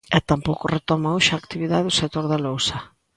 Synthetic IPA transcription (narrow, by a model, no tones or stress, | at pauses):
ɛt̪ampowkʊret̪omaoʃaːkt̪iβiðaðeʊsek̚t̪oɾðalowsɐ